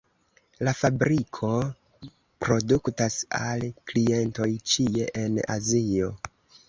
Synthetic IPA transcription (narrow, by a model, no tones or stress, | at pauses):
lafabɾikʰo̞ | pɾo̞duktasalklie̞nto̞jt͡ʃie̞ʔena̰zio̞